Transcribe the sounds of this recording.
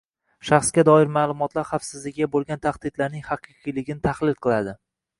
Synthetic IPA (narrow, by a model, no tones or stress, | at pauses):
ʃɑχsɡʲad̪ɒɪɾmaːlˠʊmɒt̪laɾχafsɪzlɪkʲabolˠɡʲant̪ʰaχd̪ɪd̪laɾnɪŋhɑqʰɨqʰɨjlɪɡʲɪnɪt̪ʰaχlˠɪlqʰɨlˠad̪ɪ